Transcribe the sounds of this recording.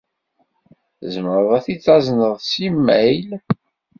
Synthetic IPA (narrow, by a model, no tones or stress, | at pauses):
zməɾðæθit͡sːɑznəðˤsimːæjl